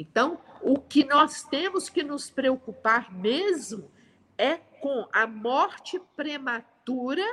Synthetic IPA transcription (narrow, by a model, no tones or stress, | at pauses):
ẽt̪ɐ̃w̃ʊkɪnɔst̪ẽmʊskɪnʊspɾeokupaɾmezmʊ | ɛkõɐmɔɾt͡ʃɪpɾemat̪uɾɐ